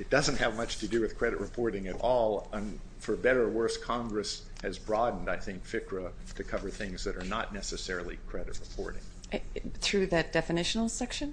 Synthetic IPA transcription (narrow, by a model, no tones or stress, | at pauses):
ɨt̚d̥ʌzə̃n̩t̚hɨvmʌt͡ʃtʰɨdɨwɨð̥kʰɹ̥ɛɾɨʔ̚ɹɨpʰɔɹɾɪ̃ŋɨɾɔlˠə̃n | fə˞bɛɾə˞wɜ˞skʰɑ̃ŋɡɹɨs | hɨzbɹɑdⁿn̩daɪθɪ̃ŋkfɪkʰɹə | ɾɨkʰʌvə˞θɪ̃ŋzðɨɾə˞nətⁿnɛsɨsɛɹl̩ˠikʰɹ̥ɛɾɨ̰t̚ɹəpʰɔ̰ɹɾɪ̰̃ŋ | ʔθɹʉðɨt̚d̥ɛfɨnɪʃnl̩ˠsɛkʃɨ̃n